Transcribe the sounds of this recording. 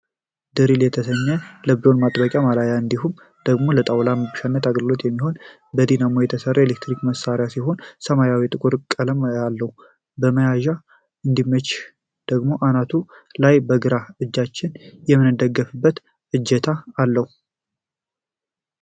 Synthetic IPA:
d̪̥ɨɾiljɛt̪ʰəsəɲːələblo̞nmat̪ʼbəkʼjamalajaɨnd̪ihum | d̪̥əɡmo̞lət̪ʼawlaməbɨʃanːət̪ʰaɡəɡɨlo̞t̪jɛmːiɦo̞n | bəd̪inamo̞jɛt̪ʰəsərːəjelekt̪ɾikməsaɾɪjasiho̞nsəmajawit̪ʼɨkʼuɾkʼələmjalːəhu | bəməjaʒa | ɨnd̪imːət͡ʃː | d̪̥əɡmo̞ʔanat̪ʰu | lajbəɡɨɾaɨd͡ʒːat͡ʃːɪnjɛmːɨnɨd̪əɡːəfɨbːət̪ | ʔɨd͡ʒːɛt̪ʰaːlːəhu

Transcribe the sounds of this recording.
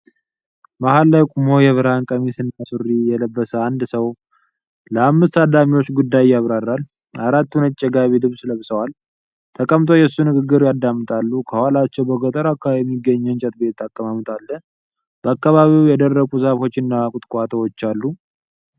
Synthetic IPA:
mahalːajkʼumojɛβɨɾankʼəmisɨnːasɨrːijɛləbːəsəand̪səw | ləamːɨst̪ad̪amiwo̞t͡ʃːɡud̪ːajjːaβɾarːal | aɾat̪ːunət͡ʃʼːɛɡaβilɨβsləβsəwal | t̪ʰəkʼəmt̪ʼʰo̞jɛsːunɨɡɨɡːɨɾjad̪ːamːɨt̪ʼalːukʰəhalat͡ʃːɛwbəɡət̪ʼəɾakːajɛmːiɡːəɲːɛnt͡ʃʼət̪̚be̞t̪ːakːəmamɨt̪ʼalːən | b̥əakːaβaβiwjɛd̪ərːəɡʼuzafo̞t͡ʃːɪnːaakʼut̪ʼkʼat̪ʰəwot͡ʃːalːu

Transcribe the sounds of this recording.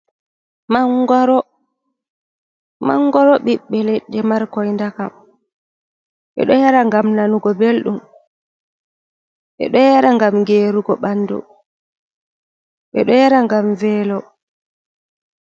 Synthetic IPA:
maɡɾɔ | ma̰ŋːɡɔɾɔɓiɓːɛlɛɗːɛmaɾkɔjndakam | ɓɛ̰ɗɔjaɾaŋɡamnanuɡɔbelɗum | ɓɛ̰ɗɔjaɾaŋɡamŋɡeːɾuɡɔɓanːdṵ | ɓɛ̰ɗɔjaɾaŋɡamvɛːlɔ

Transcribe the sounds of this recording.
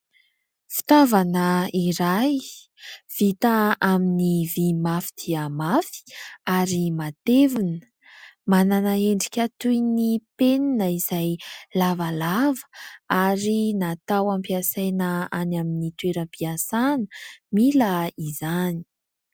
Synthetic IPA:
fi̥t̪avanəiɾaj | v̥it̪aaminivimafi̥d̪̥iəmafi̥aɾimat̪evunə | mananaeɳɖ͡ʐikʲat̪ujnipeninəiz̥ajlavalavə̥aɾinat̪awampiasajnəanaminit̪weɾəmpiasanəmiləizani̥

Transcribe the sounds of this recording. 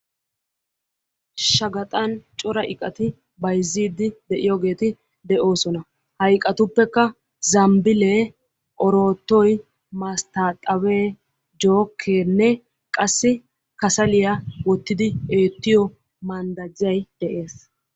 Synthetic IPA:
ʃɐɡɐt̪ʼɐnt͡ʃʼɔɾɐʔɪkʼːɐt̪ɪ | bɐjzːiːd̪ɪd̪ɛʔɪjoɡe̞ːt̪ɪ | d̪ɛʔo̞ːsɔnɐ | hɐjkʼɐt̪ʊpːɛkːɐ | zɐmbɪleː | ʔɔɾo̞ːt̪ːɔj | mɐst̪aːt̪ʼːɐwe̞ː | d͡ʒo̞ːkʰːeːnːɛ | kʼɐsːɪ | kɐsɐlɪjawɔt̪ːɪd̪ɪeːt̪ːɪjɔ | mɐnd̪ɐd͡ʒːɐjd̪̥ɛʔe̞ːs

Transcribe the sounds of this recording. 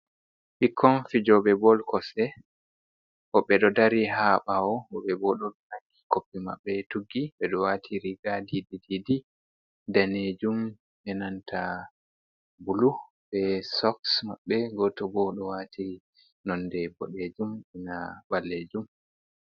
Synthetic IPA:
ʔikʰːɔnfid͡ʒɔɓɛbɔlkɔsɛ | ʔɔɓɛɗɔdaɾiɦaɓaɔɔɓɛbɔɗɔɗɔnaŋɡi̥kopːima̰ɓːɛtuɡːiɓɛɗɔwaːtʰiɾiɡadidididi | daned͡ʒum | ʔɛnantʰa | bulu | bɛsɔksmaɓːɛɡɔtɔbɔɗɔwatʰi | nɔndɛbɔ̰ɗed͡ʒumɛnabalːed͡ʒum

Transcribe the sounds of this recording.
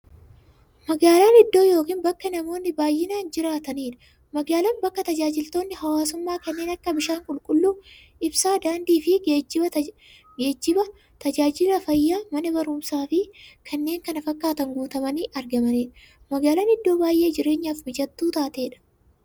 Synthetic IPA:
mɐɡaːlaːnɪd̪ːo̞ːjo̞ːkiːnbɐkːɐnɐmo̞ːnːɪbaːjːɪnaːnd͡ʒɪɾaːt̪ɐniːᶑɐ̥ | mɐɡaːlɐːnbɐkːɐt̪ɐd͡ʒaːd͡ʒɪlt̪o̞ːnːɪɦɐwaːsʊmːaːkɐnːe̞ːnɐkːɐbɪʃaːŋkʼʊlkʼʊlːuː | ʔɪbsaːd̪aːnd̪iːfɪeːd͡ʒɪbɐ | ɡe̞ːd͡ʒːɪbɐ | t̪ɐd͡ʒaːd͡ʒɪlɐfɐjːaːmɐnɐbɐɾʊmsaːfɪkʰɐnːe̞ːŋkɐnɐfɐkːaːt̪ɐŋɡoːt̪ɐmɐniːʔɐɾɡɐmɐniːᶑɐ̥ | mɐɡaːlaːnɪd̪ːo̞ːbaːjʔe̞ːd͡ʒɪɾe̞ːɲːaːfmɪd͡ʒɐt̪ːuːt̪aːt̪e̞ːᶑɐ̥

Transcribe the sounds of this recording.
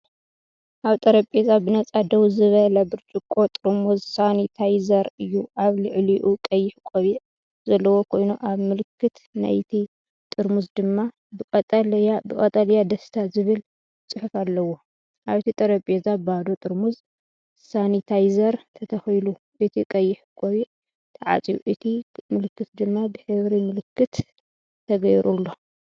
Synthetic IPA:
ʔaβt̪ʼɐɾɐpʼezabɨnɐt͡sʼad̪ɐwzɨβɐlɐbɨɾt͡ʃʼukʼo̞t̪ʼɨɾmuzsanit̪ʰajzɐɾɨjːuʔaβlɨʕliʔukʼɐjːɪħkʼoβiʕ | zɐlːɐwo̞kʰo̞jnuʔaβmɨlɨkʰːɨt̪ | na̰jt̪ʰi | t̪ʼɨɾmuzd̪ɨmːa | bɨɐt̪ʼɐlbɨkʼɐt̪ʼɐljad̪ɐst̪ʰazɨβɨl | t͡sʼɨħufalːɐwo̞ | ʔaβt̪ʰit̪ʼɐɾɐpʼjezabad̪o̞t̪ʼɨɾmuz | sanit̪ʰajzɐɾt̪ʰɐt̪ʰɐxjlu | ʔɨt̪ʰikʼɐjːɪħkʼoβiʕ | t̪ʰɐʕa̰t͡sʼijuʔɨt̪ʰimɨlɨkːɨt̪d̪ɨmːabɨħɨβɾimɨlɨkʰːɨt̪ | t̪ʰːɐɡɐjɾʔulːo̞

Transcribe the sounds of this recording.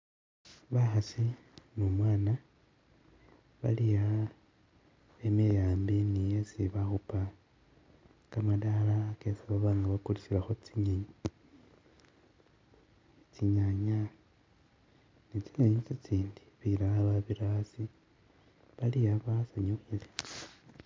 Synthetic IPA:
βaxasi | nomwaːna | βa̰lija | emijaːmbinijesiβaxupa | kamadalakesiβaβaːŋɡaβakulisilaxot͡siɲaɲi | it͡siɲaɲa | nit͡siɲaɲit͡sit͡siːndi̥βiɾaaβaβiɾaasi | βalijaβasaɲuxile

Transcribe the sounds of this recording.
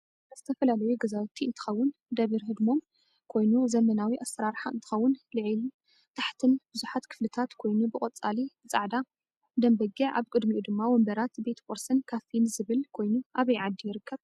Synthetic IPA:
ɐz̥ɨt̪ʰɐfɐlalɐjuɡɐzawɐt̪ʰːiɨnt̪ʰɨ̥xɐwːʊnd̪ɐβiɾɦɨd̪mo̞m | kʰo̞jnuzɐmɐnawiʔasɾaɾħaɨnt̪ʰɨxɐwːʊnlɨʕilu | t̪ʰaħt̪ʰɨnbɨzuħat̪kʰɨ̥flɨt̪ʰat̪kʰo̞jnubɨkʼɐt͡sʼalibɨt͡sʼaʕd̪a | d̪ɐmbɐɡiʕʔa̰βkʼɨd̪miʔud̪ɨmːawɔmbɐɾat̪be̞t̪fʰʼoɾsɨnkʰafinzɨβɨlkʰo̞jnuʔaβɐjʕad̪ːijɪɾɨkʰːɐβ

